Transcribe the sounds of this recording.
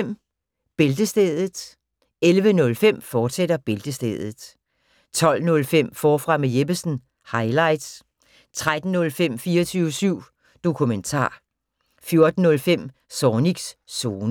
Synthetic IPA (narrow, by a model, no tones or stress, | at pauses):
m̰ | b̥e̝ld̥əsd̥eːðˠəð̩ˠ | elʋənɔ̽lfem̰fɒːd̥sed̥ɐb̥e̝ld̥əsd̥eːðˠð̩ˠ | t͡sʰɒ̽l̰nɔ̽lfem̰fɒːfʁɑ̈mejeb̥əsn̩ | hɑ̈ɪlɑ̈ɪd̥s | t͡sʰʁad̥n̩ːɔ̽lfem̰fiːɐt͡sʰyːʊəsyʊ̰ | d̥o̝kʰument͡sʰɑ̰̈ː | fjo̝ɐd̥n̩ːɔ̽lfem̰ | sɒːniɡ̥sːo̝ːnə